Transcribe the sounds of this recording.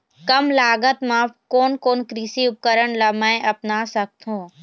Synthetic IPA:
kɐmlaːɡət̪mãːpkoːnkoːnkɾisiʊp̚kəɾəɳlɐmɛ̃ʔɐpnaːsɐk̚t̪ʰɦũː

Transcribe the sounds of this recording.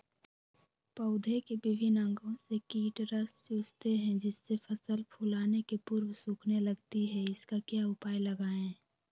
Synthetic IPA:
pəʊd̪ʱekebɪbʱɪnə̃ŋɡõsekiːʈɾəst͡ʃuːd͡ʒt̪eɦɛ̃d͡ʒɪsːepʰɐsəlpʰʊlaːnekepʊɾwsuːkʰnelɐɡt̪iɦɛɪskakjaʊpaːjləɡaːɛ̃ː

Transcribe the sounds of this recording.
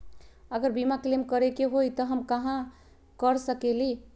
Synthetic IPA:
əɡəɾbimaklemkəɾekeɦojt̪ɔɦəmkaɦã | kəɾsəkeli

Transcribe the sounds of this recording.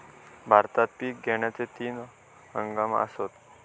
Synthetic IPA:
bʱaɾt̪at̪̚piːk̚ɡʱeɳ̃jat͡set̪iːn | ɦəŋɡamə̰sot̪

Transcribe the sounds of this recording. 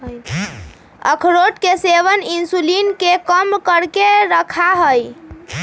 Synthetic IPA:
ə̰kʰɾoʈkeseʋəninsulinkekəmkəɾkeɾəkʰaɦəj

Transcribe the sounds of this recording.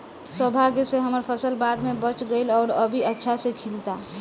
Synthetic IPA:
səbʱaɡseɦəməɾpʰəsəlbaːɖmẽbət͡ʃɡəɪlɔːɾəbʱiətːʃʰasekʰilt̪a

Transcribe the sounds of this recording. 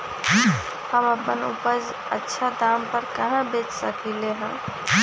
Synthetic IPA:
həməpənṵpəd͡ʒ | ə̰tːʃʰad̪ampəɾkəɦãbet͡ʃsəkileɦã̰

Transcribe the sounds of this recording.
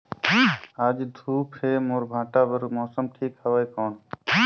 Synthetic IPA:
aːd͡ʒd̪ʱuːpʰeːmoːɾbʱãːʈaːbəɾmɔːsəmʈʰiːkhəʋaːjkɔːɳ

